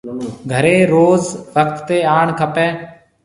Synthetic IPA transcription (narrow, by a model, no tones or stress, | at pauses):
ɡʱəɾeːɾoːzʋək̚t̪ːeːaːɳkʰəpɛː